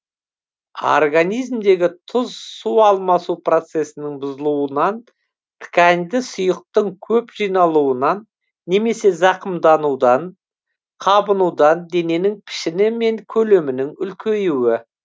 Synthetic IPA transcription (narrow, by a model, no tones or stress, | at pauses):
o̰rɡanijzmd̪e̞ɡʲɪt̪ʰʊzsuɑlˠmɑsupro̞t̪se̞sɪnɪŋbʊzəlˠuwənɑn | t̪ʰɪ̥kʲænd̪ɪsʊjəq̚t̪əɴkʲʰɵpʒijnɑlˠuwənɑnː | e̞me̞se̞zɑqəmd̪ɑnud̪ɑn | qʰɑbənud̪ɑnd̪e̞ne̞nɪŋpʰɪ̥ʃɪnɪme̞ŋkʲʰɵle̞mɪnɪŋʏlkʲʰejɪwɪ